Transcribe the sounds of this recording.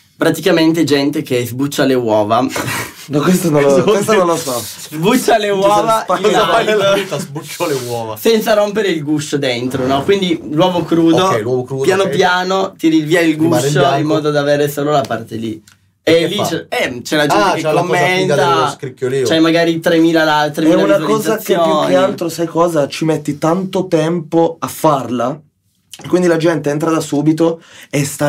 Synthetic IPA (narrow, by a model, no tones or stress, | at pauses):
pɾat̪ikament̪ed͡ʒɛnt̪ekezbut͡ʃːalewɔːva | nɔkwest̪onkuwest̪nõnlːosɔ | zbut͡ʃːalewɔːvaiofaiazbut͡ʃːolewɔːvasɛnt̪saɾompeɾeilɡusod̪ent̪ɾonɔkwind̪ilwɔːvokɾuːdk̪oɛlwɔvokɾupjanopjaːnot̪iɾinviːailɡusoimːɔːd̪od̪aveːɾesoːlolapart̪elḭ | elːit͡ʃɛt͡ʃɛlad͡ʒɛnkelamːent̪askɾikːjolit͡ʃɛjmaɡaːɾit̪ɾemiːlalat̪ːɾemɛiɛlaunat̪kiɔːzaskeoukealt̪ɾosajkɔːzat͡ʃimet̪ːit̪ant̪ot̪ɛmpoafːarla | kwind̪ilad͡ʒɛnt̪eɛnt̪ɾad̪asuːbit̪̬oest̪a